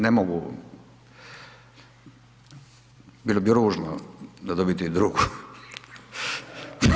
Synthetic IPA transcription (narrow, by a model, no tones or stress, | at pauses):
nemoɡu | biːlˠobiɾuːʒnod̪ad̪obit̪iid̪ɾuːɡu